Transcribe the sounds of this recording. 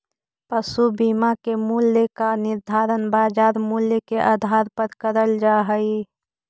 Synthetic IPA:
pəsubimakemuljəkanɪɾd̪ʱaːɾənbaːd͡ʒaːɾmuljəkeʔad̪ʱaɾpəɾkəɾəld͡ʒaːɦəi

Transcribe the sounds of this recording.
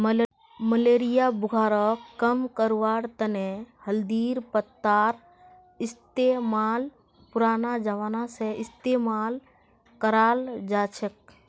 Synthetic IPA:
məleːɾijabʊɡʱaːɾəkkːəmkəɾʋaːɽt̪ənehəld̪iːɾpət̪ːaːɾ | ɪst̪emaːl | puɾaːnad͡ʒəʋaːnaseɪst̪emaːl | kəɾaːld͡ʒaːt͡ʃʰək̚

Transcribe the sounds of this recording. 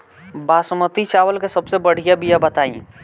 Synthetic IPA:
baːsmət̪it͡ʃaːʋəlkesɐbsebɐɽ̤ijabijabɐt̪aːḭ̃ː

